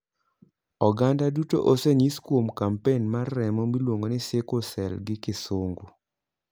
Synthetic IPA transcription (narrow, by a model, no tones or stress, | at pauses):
ɔɡandaduto̰ʔoseɲiskwomkampenmarːɛmɔmilwoŋɡonɪsekosɛlɡɪkɪsoŋɡo